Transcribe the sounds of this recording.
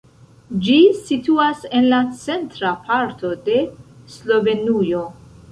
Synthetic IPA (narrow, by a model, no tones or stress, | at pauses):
d͡ʒisituase̞nlat͡se̞ntɾapʰaɾto̞de̞slo̞ve̞nujo̞